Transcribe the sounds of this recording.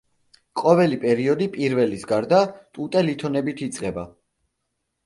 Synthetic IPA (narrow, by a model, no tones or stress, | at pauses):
qʼɔvɛlipʼɛɾiɔd̪ipʼiɾvɛlisɡaɾd̪at̪ʼut̪ʼɛlit̪ʰɔnɛbit̪ʰit̪sʼqʼɛba